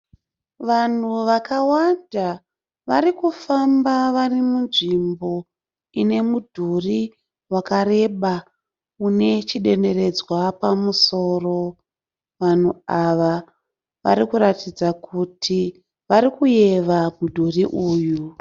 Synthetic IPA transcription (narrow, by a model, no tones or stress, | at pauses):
ʋan̤uʋakawanda | ʋaɾikufambaʋarimunʐimbo̞ | ine̞mudʱuri | wakaɾe̞ɓa | une̞t͡ʃiɗe̞nde̞re̞d͡zwapamuso̞ːro̞ | ʋan̤uaʋa | ʋa̰ɾikuɾatid͡zakutʰi | ʋaɾikuje̞ʋamudʱuriʔuːju